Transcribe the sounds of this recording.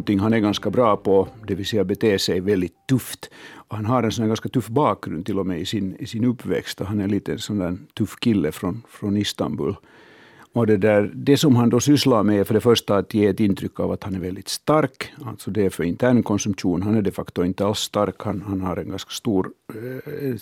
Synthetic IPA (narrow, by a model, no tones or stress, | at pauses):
nt̪ɪŋːɦanæɾɡanskabɾɑːpʰɔd̪ɛʋɪsɛjːabɛt̪ʰeːʂɛjvɛld̪ɪt̪ʰːɵft̪ɔhanɦaɾɛnsɔnːæɡanskat̪ʉfːbɑːk̚ɡɾʉ̰nd̪t̪ɪlːɔmɛɪsɪnɪsɪnɵpːvɛ̰kst̪ɔɦanɛliːt̪əɛnsɔnd̪æːt̪ʰʉfːkɪlːəfɾɔnfɾɔnɪst̪a̰mbʉ̰l | ɔd̪ɛd̪æɾd̪ɛsɔmɦand̪ɔsʏslaɾmɛfœɖɛfœʂʈaat̪jeːɛt̪ːɪnt̪ʰɾʏkːa̰vat̪hanæɾvɛld̪ɪt̪st̪aɾkalt̪sɔd̪ɛæɾfœɾɪnt̪ʰæːɳkʰɔnsɵmɧuːnɦanæɖɛfakt̪ɔɪnt̪əalsːt̪aɾkhanhanhaɾɛnɡanskḁst̪uːɾ